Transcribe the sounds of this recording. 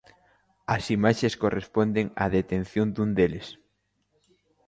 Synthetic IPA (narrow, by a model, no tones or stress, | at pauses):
ɐsimaʃeskorespond̪eŋa̰ðet̪enθjond̪und̪elɪs